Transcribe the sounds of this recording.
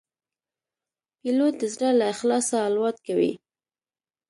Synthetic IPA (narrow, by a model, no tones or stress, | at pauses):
pilot̪̚d̪əzɽalaɪxlɑsaːlwɑt̪kawḭ